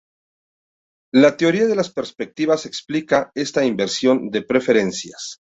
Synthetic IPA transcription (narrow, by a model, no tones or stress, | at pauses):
lat̪eo̞ɾiaðe̞laspe̞ɾspe̞k̚t̪iβase̞ksplikae̞st̪aimbe̞ɾsjo̞nd̪e̞pɾe̞fe̞ɾe̞nsjas